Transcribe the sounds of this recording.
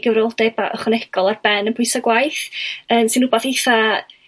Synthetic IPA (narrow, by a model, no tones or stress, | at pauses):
ɡəvɾɔlˠdɛbaʔɔ̰χənɛɡ̥ɔlˠarb̥ɛnənpʰʊjsɔɡwajθəːmsɨnʊbɔθiθa